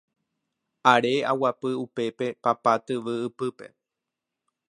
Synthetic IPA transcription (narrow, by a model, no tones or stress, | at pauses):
aɾe̞a̰wapɨupe̞pe̞papat̪ɨʋɨɨpɨpe̞̰